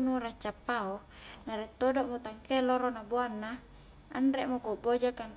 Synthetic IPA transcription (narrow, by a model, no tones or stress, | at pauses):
nuɾat͡ʃapːao | naɾɛt̪ːodoʔmot̪aŋkeloɾonaboanːa | a̰nɾɛʔmokobod͡ʒakan